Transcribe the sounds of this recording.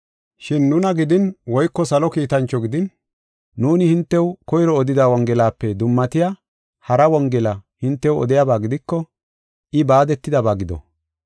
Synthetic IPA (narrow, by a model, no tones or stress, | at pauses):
ʃɪnːʊnɐɡɪd̪ɪnwɔjkːɔsɐlɔkiːt̪ɐnt͡ʃːɔɡɪd̪ɪn | nuːnɪhɪnt̪ːɛwkɔjɾɔːd̪ɪd̪aːwɔŋɡɛlaːpːɛd̪ʊmːɐt̪ɪja | hɐɾɐwɔŋɡɛlɐhɪnt̪ːɛwɔ̰d̪ɪjaːbaːɡɪd̪ɪkːɔ | ʔɪbaːd̪ɛt̪ːɪd̪ɐbaːɡɪd̪ɔ̰